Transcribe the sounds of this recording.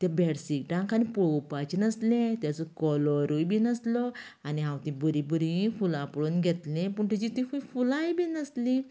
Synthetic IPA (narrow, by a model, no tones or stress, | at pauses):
t̪jabeɽsik̚ʈãŋkanipowpat͡ɕinəslẽt̪jat͡sɔkɔlɔɾujbiːnəslɔ | aniɦãwt̪ĩbəɾĩbəɾĩfulãpəɽuːnɡʱet̪lẽpəɳt̪et͡ɕit̪ifujfulajbiːnəsli